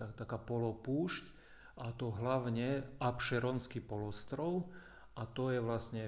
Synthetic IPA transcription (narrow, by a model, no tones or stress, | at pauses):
at̪akaːpɔlɔpuːʃc | ʔat̪ɔɦlaʊɲɛapʃɛɾɔnskipɔlɔst̪ɾɔʊ | at̪ɔjɛʋlasɲɛ